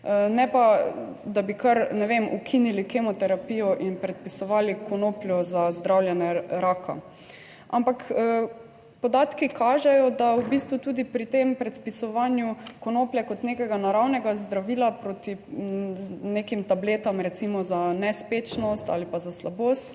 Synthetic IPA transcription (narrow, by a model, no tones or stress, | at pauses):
nɛpad̪abikaɾnɛʋemukʰinilikɛmɔt̪ɛɾapijɔʔinpɾɛt̪̚pisɔʋaːlikʰɔnoplʲjɔzazd̪ɾawljɛnɛɾaːkʰa̰ | ampakː | pɔd̪aːt̪kikʰaːʒɛjɔd̪awbist̪ʋut̪uːd̪ipɾit̪empɾɛt̪pisɔʋanjukonoːplʲjɛkɔt̪nekɛɡanaɾawnɛɡazd̪ɾaʋiːlapɾoːt̪i | nekimt̪ableːt̪amɾɛt̪simɔzanɛspeːt͡ʃnɔst̪a̰lipazaslaboːst̪̚